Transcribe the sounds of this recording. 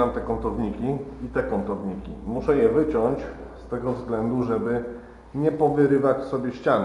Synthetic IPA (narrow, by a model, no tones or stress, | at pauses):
amt̪ɛkɔnt̪ɔvɲikʲiit̪ɛkɔnt̪ɔvɲikʲḭmuʂɛjɛvɘt͡ɕɔɲt͡ɕ | st̪ɛɡɔvzɡlɛnd̪uʐɛbɘ | ɲɛpɔvɘɾɘvat͡ɕsɔbʲjɛɕt͡ɕan